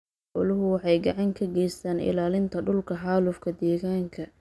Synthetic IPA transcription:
ʔɔlʊɦʊwɑħɑjɡɑʕɑŋkʰɐɡɛjst̪ʰaːnɪ̰laːlɪnt̪ʰɐɖʊlkʰɐħɑːlʊfkʰɐd̪ɛːɣaːŋkʰɐ

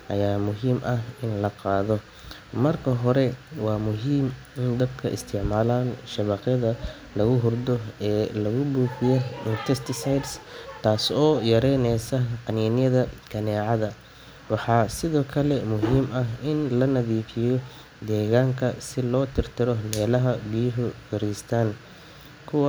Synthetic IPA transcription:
ʔɐ̰jaːmʊɦiːmʔɐɦɪnlɐqɑːðɔ | mɐrkʰɐɦɔɾɛwɑːmʊɦiːm | ɪnd̪ɐb̚kʰɐʔɪ̰st̪ʰɪʕmaːlaːnʃɐβɑqjɐðɐ | lɐɣʊɦʊrd̪ɔɛːlɐɣʊbuːfɪjɔɪnt̪ʰɛst̪ʰɪsajd̪st̪ʰaːsɔːjɐɾɛnɛjsɐqɑniːnɪjɐðɐkʰɐnɛːʕɑðɐ | wɑħɑːsɪðɔːkʰɐlɛmʊɦiːmɐɦɪnlɐnɐðiːfɪjɔ | d̪ɛːɣaːŋkʰɐsɪlɔːt̪ʰɪrt̪ʰɪɾɔmɛːlɐɦɐbɪjʊɦʊfɪɾist̪ʰaːn | kʰʊwɑ

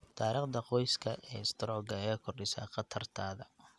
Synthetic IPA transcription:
t̪ʰaːɾiːqd̪ɐqɔjskʰɐʔɛ̰ːɪst̪ʰɾɔːɡɐɛɐkʰɔrɗɪsa̰qɐt̪ʰɐrt̪ʰaːðɐ

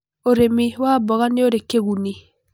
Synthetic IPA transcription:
oɾemiwabɔɣaneoɾekːeɣuni

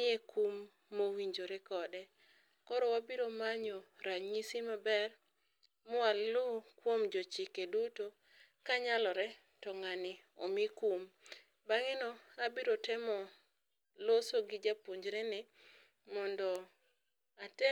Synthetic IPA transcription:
ɪekumː | owiɲd͡ʒoɾɛkɔdɛ | kɔɾɔwabiɾomaɲɔɾaɲisimabɛr | mʊallʊkwomd͡ʒɔt͡ʃɪkeduto | kaɲalɔɾɛ | tɔŋanɪ | ɔ̰mɪkum | baŋɪnɔabɪɾotɛmɔ | losoɡɪd͡ʒapoɲd͡ʒɾɛnɪ | mɔndɔ | atɛ

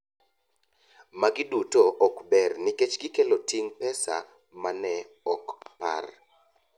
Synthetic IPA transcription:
maɡɪdutoʔɔkbɛrnɪket͡ʃɡɪkelotiŋpɛsa̰ | manɛ | ɔkpa̰r

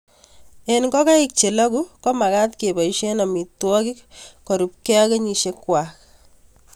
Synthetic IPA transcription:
enkɔkaik̚t͡ʃelakukɔmakat̪kebaiʃenamitwɔkikːoɾup̚kekeɲiʃekːwak

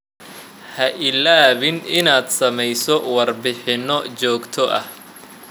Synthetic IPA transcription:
hɐʔɪlaːβɪnɪnaːd̪sɐmɛjsɔwɐrbɪħɪnɔt͡ʃɔːɡt̪ʰɔʔɐ̰h

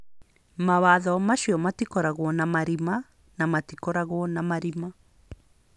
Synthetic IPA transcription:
maβaðɔmaʃiɔmatikɔɾaɣwɔnamaɾima | namatikɔɾaɣwɔnamaɾima

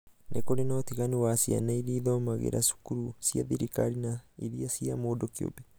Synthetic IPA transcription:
nʔekoɾenɔtiɣaniwasia̰naiɾiːðɔmaɣḛɾa̰su̥kuɾusiaðiɾikaɾinaiðiasiamoːdokio̰bɛ

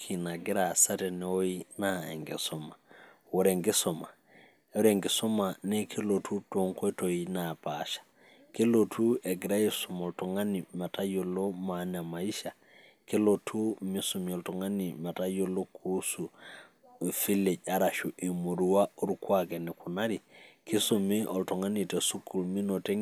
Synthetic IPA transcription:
kʰinaɡiɾasatɛnɛwoinaɛ̰ŋɡɛ̰sɔma | woɾeŋɡɛsɔma | ɾeŋɡesɔmanɛkʰilotʰutoŋkotojinapaʃḁ | kelotuɛɡɾajisɔmoltɔŋanimatajolomanamaiʃa | kilotʰumisumioltɔŋanimatajolokʰusu | fileɟaɾaʃuʔimuɾuwauɾukwakenɛkunaɾikisumiʔɔltɔŋanitesukulminote

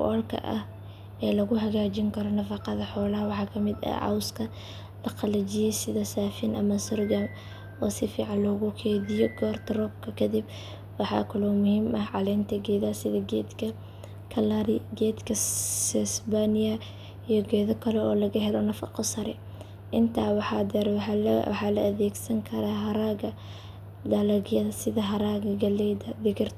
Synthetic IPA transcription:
kʊ̰ʔɔlkʰɐ̰ʔɐ̰h | ɛːlɐɣʊɦɐɣaːt͡ʃɪŋkʰɐɾɔnɐfɑqɑðɐħɔːlɐwɑħɑːkʰɐmɪd̪ɐ̰ʕɑ̰wskʰɐ | lɐqɑlɐt͡ʃɪjɛjsɪðɐsaːfɪnʔɐ̰mɐsʊrɡam | ɔːsɪfiːʕɑnlɔːɣʊkʰɛːðɪjɔɡɔːrt̪ʰrɔb̚kʰɐkʰɐd̪ib | wɑħɑ̰ːkʰɐlɔmʊhiːmɐhʕɑlɛjnt̪ʰɐɡɛːðɐsɪðɐɡɛːd̪kʰɐ | kʰɐlaɾɪɡɛːd̪kʰɐssbanɪjɐ | ijɔɡɛːðɐkʰɐlɛɔːlɐɣɐɦɛlɔnɐfɑ̰qɔsɐɾɛ | ʔɪnt̪ʰaːwħɑd̪ɛɾħɑːlɐ̰ɐðɛːɡsɐŋkʰɐɾaːɦɐɾaːɣɐ | d̪ɐlɐɣjɐðɐsɪðɐɦɐɾaːɣɐɡɐlɛd̪ɐðɪkɪrt̪

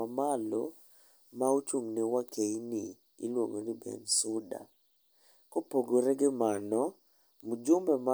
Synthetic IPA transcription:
amalɔ̰ | maot͡ʃuŋnewakʰenɪ | ɪ̰lwoŋonɪbɛ̰nsʊda̰ | kɔpoɡoɾɛɡɪmanɔ | mud͡ʒʊmbɛma

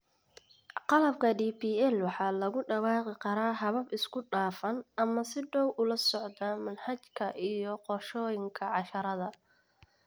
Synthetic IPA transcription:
qɑlɐb̚kʰɐɖiːpʰiːɛlwɑħɑːlɐɣʊɖɐwɑːqɪkʰɐɾaːɦɐβɐbɪskʰʊɖaːfɐnɐmɐsɪɖɔwʔʊlɐsɔʕd̪aːmɐnhɐt͡ʃkʰɐʔijɔqɔrʃɔːjɪŋkʰɐʕɑʃɐɾɐðɐ

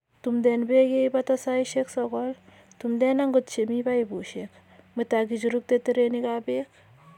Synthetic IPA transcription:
tumdɛnbekejbatasaiʃeksɔkɔl | tumdɛnaŋɡott͡ʃemibaibuʃek | mɨtak̬it͡ʃuɾuk̚teteɾenikabek̚

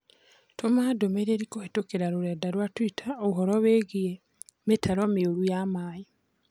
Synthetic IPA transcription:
tʰomadomeɾeɾikohetokeɾaɾoɾɛːdaɾwatwitʰaoɦɔɾɔweɣie | metʰaɾɔmeoɾujamai

